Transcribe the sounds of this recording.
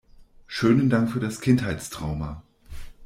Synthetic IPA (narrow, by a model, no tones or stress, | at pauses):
ʃøːnəndaŋkfyːɐdaskʰɪnthaɪtt͡stʁ̥a̰ʊmɐ